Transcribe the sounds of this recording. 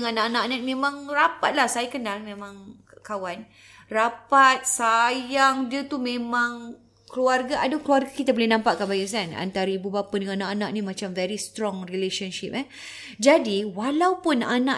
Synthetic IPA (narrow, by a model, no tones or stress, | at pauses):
ŋanaʔanakanak̚mẽmãŋrapat̪̚lahsajakənalmẽmãŋkawan | rapat̪̚sajaŋdiət̪umẽmãŋ | kluarɡaʔadakluarɡakit̪abəlenãmpaʔkanbaɡis̬ana̰nt̪aɾibubapadəŋannãʔanak̚nĩmat͡ʃamvɛɾist̪ɾɔŋrileʃɔnʃip̚ɛ | d͡ʒadiwalawpʊnanã